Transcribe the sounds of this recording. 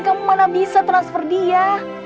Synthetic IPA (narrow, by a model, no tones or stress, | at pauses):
kamumanabisat̪ɾansfərdia